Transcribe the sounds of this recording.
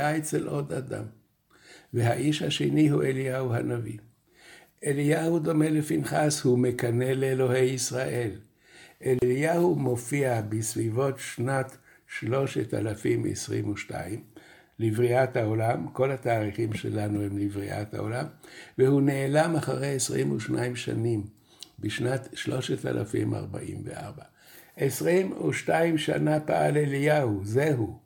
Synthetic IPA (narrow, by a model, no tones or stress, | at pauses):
aet͡selʔo̞d̪a̰d̪a̰m | veɦaʔiʃhaʃeniɦueliahuha̰navḭ | elijahud̪o̞me̞lefinχashumekane̞leːlo̞he̞jisʁaʔe̞l | ʔellijahumo̞fiabisvivo̞tʃnat̪ | ʃlo̞ʃeta̰lafimḛsʁimuʃta̰im | livʁiathao̞lamko̞lhataːʁiχimʃḛlanuhemlivʁiʔa̰tha̰o̞̰lamvehuneːlamaχaʁejesʁimuʃnaimʃa̰nim | biʃnatʃlo̞ʃeta̰lʔa̰fḭmʔa̰ʁba̰ʔḭmvḛʔa̰ʁba | ʔesʁimuʃtaimʃa̰napa̰alelijahuzeɦu